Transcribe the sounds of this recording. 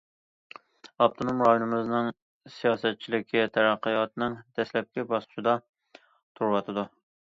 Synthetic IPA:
ɑp̚t̪ʰonomɾɑjonɨmɨznɨŋ | sijɑsɛt̪̚t͡ʃʰːilɪkʲʰːit̪ʰæɾæqːəjɑt̪nɨŋd̪̥ɛslɛp̚kʲɛbɑsqʰʊʃɪd̪ɑ | t̪ʰuɾwɑt̪ʰɨd̪u

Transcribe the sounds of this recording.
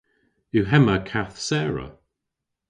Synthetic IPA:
uɦɛməkʰaθsɛːɹə̰

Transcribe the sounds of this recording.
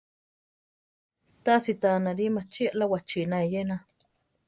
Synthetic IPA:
t̪asit̪anaɾimat͡ʃiaʔlawat͡ʃinaejena

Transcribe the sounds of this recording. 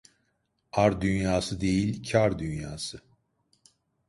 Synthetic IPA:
aɾd̪ynjaːsɯd̪e̞jilʲcʰaɾd̪ynjaːsɯ

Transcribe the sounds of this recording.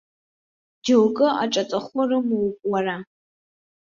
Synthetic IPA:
d͡ʒowkʼɨʔa̰ʈ͡ʂʼat͡sʼaχʷarɨmɨwpʼwara

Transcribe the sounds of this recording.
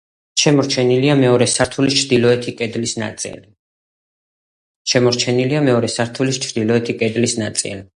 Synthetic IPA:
ʃɛmɔɾt͡ʃʰɛniliamɛɔɾɛsaɾt̪ʰulist͡ʃʰɾd̪ilɔɛt̪ʰikʼɛd̪lisna̰t̪sʼḭli | ʃɛmɔɾt͡ʃʰɛniliamɛɔɾɛsaɾt̪ʰulist͡ʃʰɾd̪ilɔɛt̪ʰikʼɛd̪lisnat̪sʼḭli

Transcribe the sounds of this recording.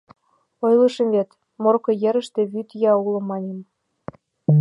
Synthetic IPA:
ojlɤʃə̆mβet̪ | morkɤ̆jĕɾə̆ʃt̪ĕβyt̪jɑulɤ̆mːɑnʲem

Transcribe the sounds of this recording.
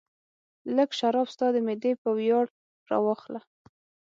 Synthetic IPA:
ləɡʃaɾɑbst̪ɑd̪əmed̪epəwjɑɽ | ɾɑ̰wɑxla

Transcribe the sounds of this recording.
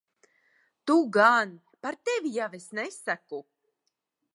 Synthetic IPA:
t̪uɡan | paɾt̪evijavesnɛsaku

